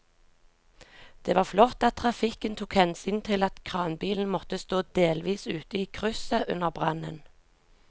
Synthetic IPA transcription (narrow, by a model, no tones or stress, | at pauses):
d̪̥eːʋɑːʁflɔt̪ɑt̪̚t̪ʰʁɑfɪkənt̪ʰuːkhɛnsyːnt̪ʰɪlɑt̪kʰʁɑːnbiːln̩mɔt̪əst̪oːd̪eːlʋiːsʉːt̪əiːkʰʁʉsəʔʉ̰nəʁbʁɑnə̰n